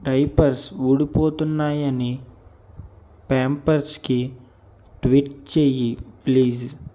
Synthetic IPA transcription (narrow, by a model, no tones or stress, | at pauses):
ɖɐjpɐɾsuɽipoːt̪unːaːjɐni | paːmpɐɾski | ʈʋiʈt͡ʃeːjipliːs